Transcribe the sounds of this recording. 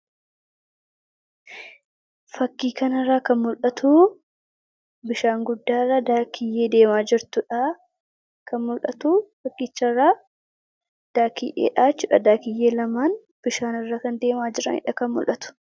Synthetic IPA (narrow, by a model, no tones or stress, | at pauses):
fɐkːiːkɐnɐrːaːkɐnmʊlʔɐt̪uː | bɪʃaːŋɡʊd̪ːaːrːaːd̪aːkʰɪjːe̞ːd̪e̞ːmaːd͡ʒɪɾt̪ʊᶑɐ | kɐnmʊlʔɐt̪uːfɐkʼːɪːt͡ʃːɐrːaː | d̪̥aːkɪjʔḛːᶑaːt͡ʃːʊᶑɐd̪aːkɪjːe̞ːlɐmaːn | b̥ɪʃaːnɪrːaːkɐnd̪e̞ːmaːd͡ʒɪɾɐ̰nɪ̰ᶑɐkɐnmʊ̰lʔɐt̪ʊ̥